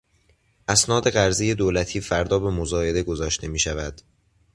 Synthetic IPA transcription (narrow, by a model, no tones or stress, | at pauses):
ʔæsnɒːd̪e̞ɣæɾzije̞d̪oːlæt̪ʰiːfæɾd̪ɒːbe̞mozɒːe̞d̪e̞ɡo̞zɒːʃt̪ʰe̞miːʃævæd̪̥